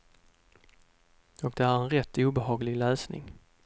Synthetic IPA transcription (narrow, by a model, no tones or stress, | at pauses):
ɔk̚d̪ɛæɾɛnɾɛt̪ːuːbɛhɑːɡlɪɡlœːsnɪ̰ŋ